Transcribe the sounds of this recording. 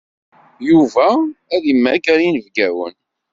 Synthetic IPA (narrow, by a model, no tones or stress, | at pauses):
juvææðimːæɡæɾinəvɡæwə̰n